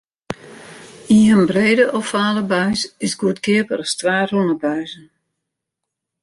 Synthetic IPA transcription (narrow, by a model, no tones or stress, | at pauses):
iɦənbreːdəʔɔfaːləbœɥsɪsɡuətkʰɪəpəɾɔstʋaːrrunəbœɥzən